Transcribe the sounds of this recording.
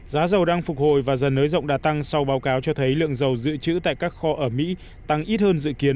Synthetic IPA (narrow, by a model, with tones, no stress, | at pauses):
zaː˨˦zə˨˩wɗaː˧ŋfʊ˨˩k͡p̚ho̰˧˨jvaː˨˩zə˨˩nːəː˨˦jzə̰˧˨wŋ͡mɗaː˧˩t̪a˧ŋsa˧wɓaː˨˦wkaː˨˦wt͡ɕɔ˧t̪ʰə˨˦jlɨ̰˧˨əŋzə˨˩wzɨ̰˧˨t͡ɕɨ̰˧˥t̪a̰ː˧˨jkaː˦˥k̚xɔ˧ʔəː˧˩mḭ˧˥ | t̪a˧ŋʔi˦˥t̚həː˧nzɨ̰˧˨ki˨˦ən